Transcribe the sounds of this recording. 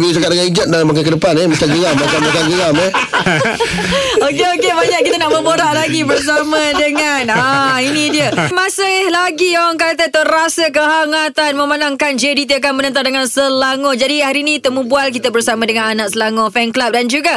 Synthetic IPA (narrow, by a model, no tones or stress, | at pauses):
bisəkaɾəɡaid͡ʒət̚dalamakajkədəpanehmət͡ʃaɡəjamatamakaɡəjameh | okeokebaɲaʔ̚kːit̪ənaʔməboɾaʔlaɡibərs̬amadəŋanainidiəmasəhlaɡijawaŋkat̪ət̪əɾasək̬əɦaŋat̪anməmanaŋkand͡ʒedit̪̬iak̬anmənə̃nt̪andəŋansəlaŋod͡ʒadihaɾinĩt̪əmũbualk̬it̪əbərsamãdəŋananaʔ̚səlaŋofɛnklap̚dand͡ʒuɡa